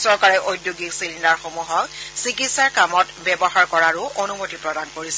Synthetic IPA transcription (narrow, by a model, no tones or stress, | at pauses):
sɔɹkaɹɛʔojdjoɡiksilindaɹxomuɦɔksikitsaɹkamɔtbɛbɔxaɹkɔɹaɹʊʔonumotipɹɔdankoɹisɛ̥